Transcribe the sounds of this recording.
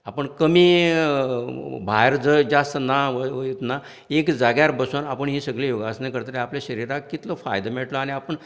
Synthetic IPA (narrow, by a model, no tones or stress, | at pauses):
apəɳkəmiː | bʱajɾd͡zəd͡zast̪naʋəit̪na | ekd͡zaɡjaɾbəsanapəɳɦiːsəɡɭejoɡasnekəɾt̪əɾeapljaɕəɾiɾakːit̪lɔfajd̪əmeɭʈlɔaɽ̃iapəɳ